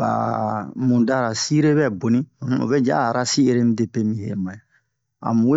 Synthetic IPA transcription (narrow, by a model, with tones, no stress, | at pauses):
ba̰˨mũ˨da˦ɾa˨si˦ɾe˦bɛ˦˨bo˨nĩ˦˨˦o̰˨bɛ˦d͡ʒa̰˦˨ɾa˦si˦e˦ɾe˦mĩ˦de˨pe˦mĩ˨hḛ˨mã˨je˨ | a̰˨mũ˨we˦